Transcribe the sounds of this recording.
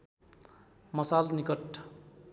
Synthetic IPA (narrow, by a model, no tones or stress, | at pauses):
mʌsalnikʌʈ